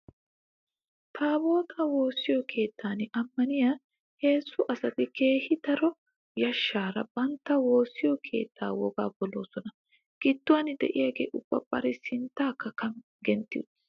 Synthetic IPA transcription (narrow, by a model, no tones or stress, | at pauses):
t̪ʰaːbo̞ːt̪ɐwo̞ːsːɪjɔkʰe̞ːt̪ːaːnɪʔɐmːɐnɪja | he̞ːsːʊʔɐsɐt̪ɪke̞ːhɪt̪ɐɾɔ | jɐʃːaːɾɐ̰bɐnt̪ːɐwo̞ːsːɪjɔkʰe̞̰ːt̪ʰːa̰ːwɔ̰ɡaːbɔlo̞̰ːsɔnɐ | ɡ̥ɪt̪ːʊwaːnɪd̪ɛ̰ʔɪjaːɡḛːʔʊb̥ːɐ̰bɐ̰ɾɪsɪnt̪ːaːkːɐkɐm | ɡɛnt̪ːɪ̰